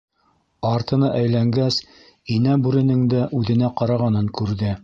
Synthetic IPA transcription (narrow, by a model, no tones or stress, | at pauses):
ɑɾt̪ɤ̆nɤʔæjlæŋɡæs | inæbʉɾɘ̆nɘŋd̪æʔʉðɘ̆næqɑɾɑʁɑnɤŋkʉɾðɘ